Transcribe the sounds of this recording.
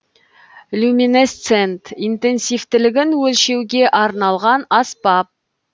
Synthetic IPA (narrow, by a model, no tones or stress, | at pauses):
lʲumʲinest̪se̞nt̪int̪e̞nsijft̪ɪlɪɡʲɪnwɵlʃe̞wɡʲe̞ʔɑɾnɑlˠʁɑnɑspɑp̚